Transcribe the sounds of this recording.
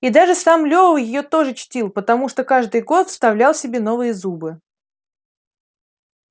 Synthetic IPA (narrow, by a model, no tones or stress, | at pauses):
id̪aʐɨsamlʲo̞vəvjɪjo̞t̪o̞ʐɨt͡ɕtʲilˠpət̪ɐmuʂt̪okaʐd̪ɨjɡo̞t̪fst̪ɐvlʲalˠsʲɪbʲe̞n̪o̞vɨjəzubɨ